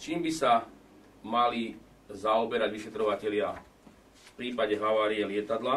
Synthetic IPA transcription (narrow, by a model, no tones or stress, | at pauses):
t͡ʃiːmbisa | mali | zaɔbɛɾaɟʋiʃɛt̪ɾɔʋacɛʎɪa | fpɾiːpaɟɛɦaʋaːɾiɛlɪɛt̪ad̪la